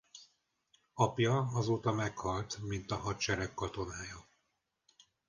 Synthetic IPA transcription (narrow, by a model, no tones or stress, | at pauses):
ɒpjɒɒzoːt̪ɒmɛkhɒlt̪mint̪ɒɦɒt̪t͡ʃɛɾɛkːɒt̪o̞naːjɒ